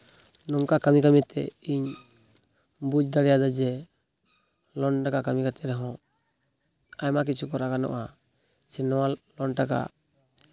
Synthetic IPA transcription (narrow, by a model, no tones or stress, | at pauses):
nɔmkakamikamit̪ɛ̰iɲ | bud͡ʒd̪aɾɛjad̪ad͡ʒɛ | lɔnʈakakamikat̪ɛɾɛɦɔ̃ | ajmak̬it͡ʃʰukɔɾaɡanɔ̰ʔa | sɛnɔwalɔɳʈaka̰